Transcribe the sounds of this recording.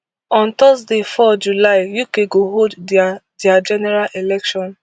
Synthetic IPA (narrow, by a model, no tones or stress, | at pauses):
ɔ̃ntɔsdefɔd͡ʒulaɪjukeɡoɦoddɪad͡ʒɛnɛɾalʔelɛkʃɔ̃n